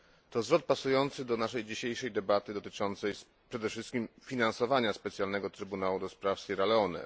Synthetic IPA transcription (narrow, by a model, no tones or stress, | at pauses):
t̪ɔzvɾɔt̪̚pasujɔnt̪sɘd̪ɔnaʂɛjd͡ʑiɕejʂɛjd̪ɛbat̪ɘd̪ɔt̪ɘt͡ʂɔnt̪sɛj | pʂɛd̪ɛfʂɘst̪kʲimfʲinansɔvaɲaspɛt̪sʲjalnɛɡɔt̪ɾɘbunawud̪ɔspɾafsiɾalɛɔnɛ̰